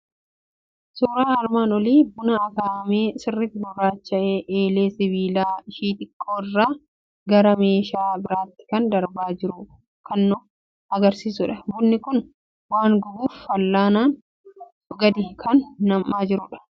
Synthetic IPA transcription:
suːɾaːɐɾmaːnɔliːbʊnɐːkaːɐmeːsɪrːɪfbʊrɾaːt͡ʃːɐʔeːʔeːle̞ːsɪβiːlaːɪʃiːt̪ʼɪkʰʼːoːɪrːaː | ɡɐɾɐme̞ːʃaːbɪɾaːt̪ːɪ̥kɐnd̪ɐɾbaːd͡ʒɪɾʊːɐ | kɐnːʊ | ɐɡɐɾsiːsʊᶑɐbʊnːɪkʊn | waːŋɡɔbuːffɐlːaːnaːn | ʊɡɐd̪ɪkʰɐnːɐmːaːd͡ʒɪɾʊːᶑɐ̥

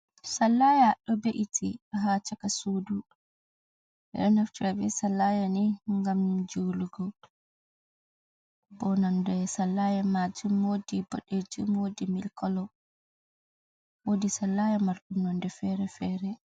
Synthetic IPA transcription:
salːajaɗɔbeʔitʰiɦaːt͡ʃakasuːdu | ʔɛ̰ɗɔnaftuabɛsalːajaniŋɡamd͡ʒuːluɡɔ | bɔnandɛsalːajamad͡ʒumwodibɔ̰ɗed͡ʒumwodimilkɔlɔ | wodisalːajamaɾɗunɔndɛfɛɾɛfɛːɾɛ

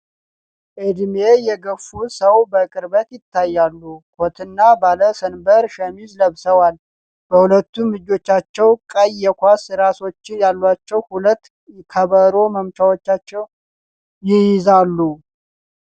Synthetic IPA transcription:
ʔɨd̪me̞jɛɡəfːusəwbəkʼɨɾbət̪jɪt̪ʰːajːalːukʰot̪ʰɨnːabaləsənbəɾʃəmizləβsəwal | b̥əhulət̪ːumɨd͡ʒo̞t͡ʃːat͡ʃːɛwkʼəjːɛkʷasɾaso̞t͡ʃːɪnjalːwat͡ʃːɛwhulət̪ː | kʰəβəɾo̞məmt͡ʃawot͡ʃːat͡ʃːɛw | jɪjɪzalːu

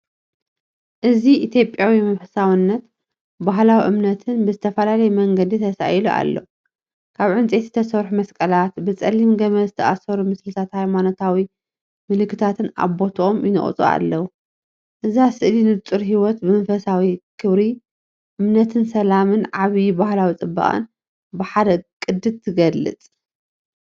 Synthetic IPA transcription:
ʔɨziʔit̪ʰjo̞pʼjawimɐnfɐsawinːɐt̪ | baɦlawiʔɨmnɐt̪ʰɨnbɨzɨt̪ʰɐfɐlalɐjmɐŋɡɐd̪it̪ʰɐsa̰jiluʔa̰lːo̰ | kʰaβʕɨnt͡sʼe̞t̪zɨ̥t̪ʰɐsɐβħumɐskʼɐlat̪bɨt͡sʼɐlimɡɐβɐzɨt̪ʰɐʔasɐɾumɨslɨt̪ʰat̪hajmano̞t̪ʰawi | mɨlɨkːɨt̪ʰat̪ʰɨna̰βo̞t̪ʰomjɪnɨ̰χʼt͡sʼṵa̰lːɐwu | ʔɨzasɨʔlinɨβt̪ʼɨɾɦiwɔt̪bɨmɐnfɐsawikʰɨβɾi | ʔɨmnɐt̪ʰɨnsɐlamɨnʕaβibahlawit͡sʼɨbːa̰χʼɨ̰n | bɨħad̪ɐkʼɨd̪ɨt̪ʰɨɡɐlːɨ̰t͡s̪ʼ

